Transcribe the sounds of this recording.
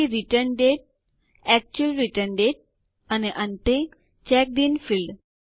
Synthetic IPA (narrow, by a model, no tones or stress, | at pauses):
iɾiʈəɾnɖeːʈ̚ | ɛk̚t͡ɕuəlɾiʈəɾnɖeːʈ̚ | ɐneʔɐ̃nt̪ẽ | t͡ɕɛːk̚ɖ̪infilɖ